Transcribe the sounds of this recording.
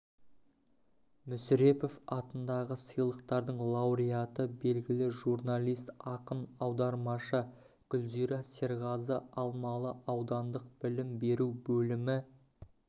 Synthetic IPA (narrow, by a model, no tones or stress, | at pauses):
mʏsɾe̞po̞fɑt̪ənd̪ɑʁəsəjlˠəqt̪ɑɾd̪əɴlˠɑwɾijat̪əbe̞lɡʲɪlɪʒurnalʲˠijst̪ɑqənɑwd̪ɑɾmɑʃə | kʲʏlziɾɑseɾʁɑzəɑlˠmɑlˠəʔɑwd̪ɑnd̪əq̚b̥ɪlɪmbe̞ɾuwbɵlɪmɪ